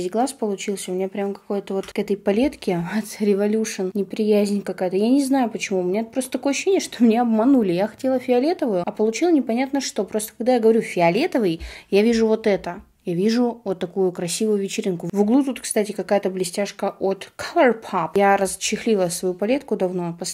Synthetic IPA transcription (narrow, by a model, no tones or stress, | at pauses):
zʲɡlˠaspəlˠʊt͡ɕilˠsʲəʊmʲɪnʲɲapɾʲamkɐ̥kojət̪əvo̞t̪kɛt̪əjpɐlʲe̞t̪kʲɪvat̪sɾʲɪvɐlʲuʂɨnnʲɪpɾʲɪjæzʲnʲkɐkajət̪əjanʲɪznajʊpət͡ɕɪmuʊmʲɪnʲat̪̚pɾost̪ət̪ɐko̞jəɐɕːɕenʲɪjəʂt̪omnʲeɐbmɐnulʲɪjaxɐ̥tʲelˠəfʲɪɐlʲe̞t̪əvʊjʊɐpəlˠʊt͡ɕilˠnʲɪpɐnʲat̪nəʂt̪o̞pɾo̞st̪ə̥kɐɡ̚d̪ajaɡəvɐɾʲufʲɪɐlʲe̞t̪əvɨjjavʲiʐʊvo̞t̪ɛt̪ə | javʲiʐʊvot̪ːɐkujʊkɾɐsʲivʊjʊvʲɪt͡ɕɪɾʲinkʊvʊɡlˠut̪ut̪kst̪atʲɪkɐkajət̪əblʲɪsʲtʲaʂkəʔot̪kʰalˠərpʰapjaɾəzt͡ɕːɪxlʲilˠəsvɐjupɐlʲe̞t̪kʊd̪ɐvno̞pɐs